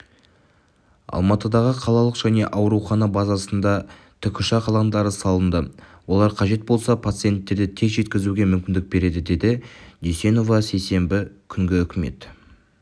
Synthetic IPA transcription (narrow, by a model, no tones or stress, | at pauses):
ɑ̰lˠmɑt̪əd̪ɑʁəqʰɑlˠɑlˠəqʒ̥æne̞ʔɑwɾuχɑnɑbɑzɑsənd̪ɑ | t̪ʰʏkʲʰʏʃɑqʰɑlˠɑnd̪ɑɾəsɑlˠənd̪əwo̞lˠɑɾqʰɑʒe̞t̪̚bo̞lˠsɑpʰat̪sɨje̞nt̪ːe̞ɾd̪ɪt̪ʰe̞zʒe̞t̪kʲɪzuɡʲe̞mʏmkʲɪnd̪ɪk̚be̞ɾe̞d̪ɪd̪e̞d̪ɪd̪ise̞no̞vɑse̞jse̞mbɪkʲʰʏŋɡʲɪʏkʲɪme̞̰t̪